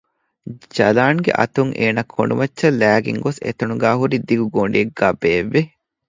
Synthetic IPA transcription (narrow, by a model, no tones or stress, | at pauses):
d͡ʒɐlaːŋɡḛʔɐ̰t̪uŋʔeːnɐkʰːo̰ɳɖumɐtːʃɐlæːɡḭŋɡosḛt̪ɐnuɡæːɦuɾid̪iɡuɡoɳɖiɐɡːaːbeːʋːe